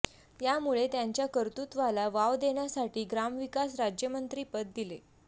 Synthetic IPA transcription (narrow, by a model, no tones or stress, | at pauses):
jamuɭet̪jaɲt͡ɕjakəɾt̪ut̪ʋalaʋaʋd̪eɳjasaʈiːɡɾamʋikasɾad͡ʑjəmənt̪ɾiːpət̪̚d̪ile